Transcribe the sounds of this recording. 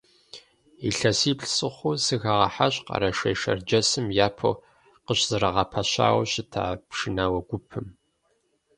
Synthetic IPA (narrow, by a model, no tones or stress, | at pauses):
iɬɐsiːpɬsɨχʷʊsɨɣaʁɐ̰ħaɕqɑ̰ɾɐʃɐjʃɐ̰rd͡ʒɐsɨmjaːpʰo̰ | qəɕz̥ɨɾɐʁɐpʰɐɕa̰ːwɕɪtʰa̰ːpʂɨnaːwɐɡʷʊpʰɨm